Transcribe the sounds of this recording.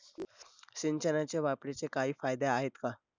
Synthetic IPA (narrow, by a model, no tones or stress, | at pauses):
ɕint͡ɕənat͡ɕaʋapɽet͡sekaɦiːfajd̪eaɦet̪ka